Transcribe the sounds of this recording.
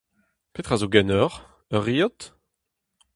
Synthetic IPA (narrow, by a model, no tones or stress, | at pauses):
pet̪χazoɡɛnɔʁ | œʁijɔt̪